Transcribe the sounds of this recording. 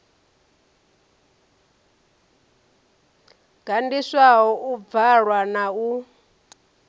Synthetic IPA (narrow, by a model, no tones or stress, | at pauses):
ɡ̥andiswaɦɔʔub̪vaɺwanau